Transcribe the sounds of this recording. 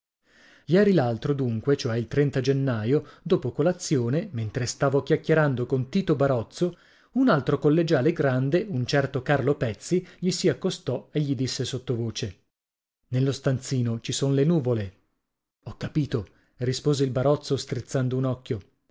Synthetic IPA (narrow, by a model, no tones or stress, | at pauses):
jɛːɾilalt̪ɾod̪uŋkwet͡ʃoɛilt̪ɾɛnt̪ad͡ʒenːaːjod̪oːpokolat̪sːjoːnement̪ɾest̪aːvokjakːjeɾand̪okont̪iːt̪obaɾɔt̪sːo | unalt̪ɾokolːed͡ʒaːleɡɾand̪eunt͡ʃɛrt̪okarlopɛt̪sːiʎisiakːost̪ɔeʎːid̪isːesot̪ːovoːt͡ʃe | nelːost̪ant̪siːnot͡ʃisonlenuːvole | ɔkːapiːt̪o | rispoːzeilbaɾɔt̪sːost̪ɾit̪sːand̪ounɔkʲːjo